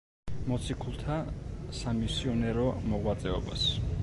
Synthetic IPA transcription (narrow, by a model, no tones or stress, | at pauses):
mɔt̪sʰikʰulˠt̪ʰasamisiɔnɛɾɔmɔʁwat̪sʼɛɔba̰s